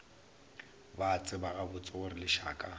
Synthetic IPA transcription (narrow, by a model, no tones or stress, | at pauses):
bat͡sʼɪbaɣabʊt͡sʼɪʊrɪlɪʃa̰ːkʼa